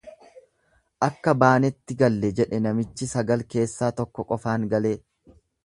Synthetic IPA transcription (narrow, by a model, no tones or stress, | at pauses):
ʔɐkːɐbaːnɛt̪ːɪɡɐlːɛd͡ʒɛᶑɛnɐmɪt͡ʃːɪsɐɡɐlke̞ːsːaːt̪ɔkːɔkʼɔfaːŋɡɐle̞ː